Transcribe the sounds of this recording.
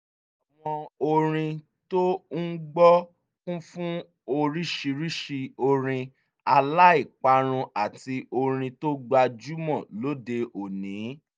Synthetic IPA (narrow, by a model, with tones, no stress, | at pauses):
a˨w̃ɔ̃˧o˧ɾ̃ĩ˧ | to˦n̩˦ɡ͡bɔ˦ | kũ˦fũ˦ | o˧ɾi˦ʃi˧ɾi˦ʃi˧o˧ɾ̃ĩ˧ | a˧la˦i˦˨k͡pa˧ɾ̃ũ˧a˨ti˧o˧ɾ̃ĩ˧to˦ɡ͡ba˧d͡ʒu˦mɔ̃˦˨lo˦de˧o˨nĩ˨˦